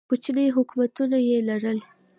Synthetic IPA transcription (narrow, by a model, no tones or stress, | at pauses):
put͡ʃnəjɦʊkmat̪unajelaɽəl